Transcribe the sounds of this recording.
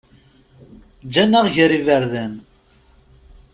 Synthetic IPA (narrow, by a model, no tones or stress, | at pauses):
d͡ʒːænːaʁʝɾivəɾðæn